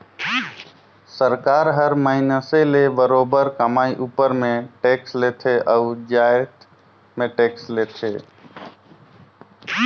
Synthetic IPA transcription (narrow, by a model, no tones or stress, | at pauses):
səɾkaɾɦəɾməɦinəselebəɾobəɾkəmaiʔupəɾmẽʈekslet̪ʰeʔəud͡ʒaet̪ | meʈeːkslet̪ʰe